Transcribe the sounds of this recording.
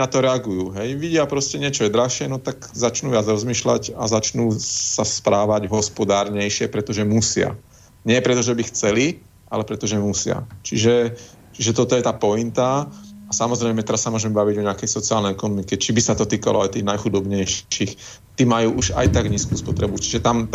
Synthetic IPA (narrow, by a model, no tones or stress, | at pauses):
nat̪ɔɾɛaɡujuɦɛjʋiɟɪapɾɔscɛɲɪɛt͡ʃɔɛd̪ɾaxʃɪɛnɔt̪aɡzat͡ʃnuːʋɪad͡zɾɔzmiːʃla̰ɟazat͡ʃnuːsaspɾaːʋaɟɦɔspɔd̪aːɾɲɛjʃɪɛpɾɛt̪ɔʒɛmusɪa̰ | ɲɪɛpɾɛt̪ɔʒɛbixt͡sɛli | ʔa̰lɛpɾɛt̪ɔʒɛmusɪa̰t͡ʃiʒɛ | t͡ʃiʒɛt̪ɔt̪ɔjɛt̪aːpɔint̪aasamɔzɾɛjmɛt̪ɛɾasːamʊɔʒɛmɛbaʋiɟɔɲɪakɛjsɔt͡siaːlnɛjɛkɔnɔmikɛt͡ʃibisat̪ɔt̪iːka̰lɔajt̪iːɣnajxud̪ɔbɲɛjʃiːx | t̪iːmajuːʔuʃa̰jt̪aɡɲiːskuːspɔt̪ɾɛbut͡ʃi̥ʒɛt̪am